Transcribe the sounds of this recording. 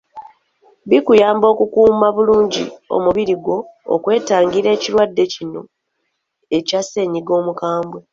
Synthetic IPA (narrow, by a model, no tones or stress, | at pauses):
βikujaːmbo̞ːkukuːmaβuluːɲɟḭo̞̰muβiɾiɡwo̞̰ːkwe̞ːtaːŋɡiɾe̞ːciɾwadːe̞cino̞ | e̞case̞ːɲiɡo̞ːmukaːmbwe